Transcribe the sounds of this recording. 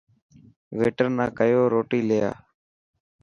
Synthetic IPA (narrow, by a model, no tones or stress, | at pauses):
ʋeːʈəɾnãːkəjoːɾoːʈiːleja̰ː